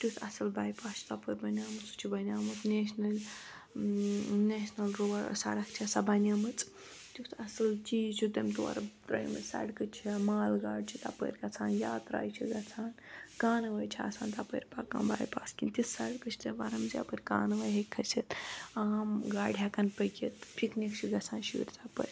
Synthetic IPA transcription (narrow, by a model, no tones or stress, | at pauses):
t̪usʰɐsɨlbaːjpaːst͡ʃʰt̪apəɾʲbɐnʲaːmɨt͡su̥t͡ʃʰibɐnʲaːmɨt̪neːsnɐlʲ | nesnɐlɾoːʋɐɾsɐ̰ɽɐkt͡ʃʰiɐsɐbɐnʲaːmɨt͡sʼ | t̪ut̪ʰɐsɨlt͡ʃit͡ʃʰud̪ɐmt̪uɐ̰ɾɐt̪ɾɐ̰jmɐsɐ̰ɽkɨt͡ʃʰimaːlɡaːɖ̚t͡ʃʰit̪a̰pə̰ːɾʲkɐt͡sʰaːnjaːt̪ɾa̰ːjt͡ʃʰiɡɐt͡sʰaːnkaːnɐʋɐːjt͡ʃʰia̰sʰaːnt̪apəːɾʲpakɐ̰mba̰ːjpaːskint̪isɐɽkɨt͡ʃʰt̪ʰɐʋɐɾɐmza̰pəɾʲkaːnʋɐjɦɐkʰːɐt͡ʃʰit̪aːmɡaːɖɦakɐnpəkʲit̪pʰiknʲikt͡ʃʰiɡɐt͡sʰaːnʃiʋḭɾʲt̪apə̰ɾʲ